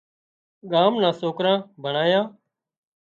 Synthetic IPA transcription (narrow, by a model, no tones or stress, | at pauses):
ɠaːmnãːsoːkɾãːbʱəɳaːjãː